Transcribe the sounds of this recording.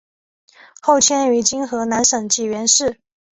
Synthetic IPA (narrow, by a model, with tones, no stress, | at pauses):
xo˥˩ʊt͡ɕʰjɛ˥ny˧˥t͡ɕi˥nxɤ˧˥na˧˥nʂɤ˨˩ŋt͡ɕi˨˩ɥɛ˧˥nʂɻ̩˥˩